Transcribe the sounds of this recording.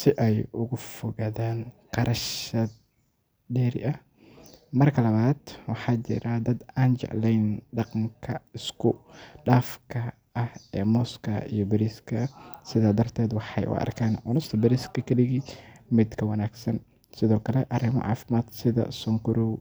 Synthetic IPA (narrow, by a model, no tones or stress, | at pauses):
sɪʔɛjʊɣʊfɔɣɐðaːnqɑɾʔɐʃɐd̪ | dɛːɾɪ̰ʔɐh | mɐrkʰɐlɐβaːd̪wɑħɑːt͡ʃɪ̰ɾɐd̪ɐd̪aːnt͡ʃɛ̰ʕlɛjnɖɑqɑŋkʰɐɪskʰʊɖaːfkʰɐ | ɐhɛːmɔːskʰɐʔijɞbɐɾiskʰɐsɪðaːd̪ɐrt̪ʰɛːd̪wɑħɑjʔʊ̰ʔɐ̰rkʰaːnʕʊ̰nʊst̪ʰɐbɐɾiskʰɐkʰɐɗɪɣimɪd̪kʰɐwɐnaːɡsɐn | sɪðɔːkʰɐlɛʔɐɾɪmɔ̰ʕɑ̰ːfɪmaːd̪sɪðɐ̰sɔŋkʊɾɔw